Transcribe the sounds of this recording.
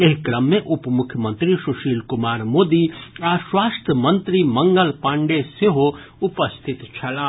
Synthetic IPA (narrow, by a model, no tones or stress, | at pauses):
eɦkɾəmːẽʔʊpmʊkʰjəmə̃nt̪ɾiʃʊʃiːlkʊmaːɾmoːd̪iaːswaːst̪ʰəmə̃nt̪ɾimɐ̃ŋɡəlpãːɳɖeseɦo | ʊpəst̪ʰɪt̪t͡ʃʰɐlãː